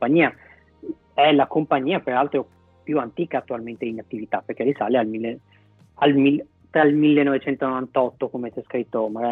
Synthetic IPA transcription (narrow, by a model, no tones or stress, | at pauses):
paɲːiːa | ɛlakompaɲːiːapeɾalt̪ɾo | pjuant̪iːkaːt̪ːualment̪einat̪ːivit̪aperk̟elisalealmilːe | almil | t̪ɾailmilːenːovet͡ʃɛnt̪onovant̪ɔt̪ːokomet͡ʃɛskɾit̪ːomaɡa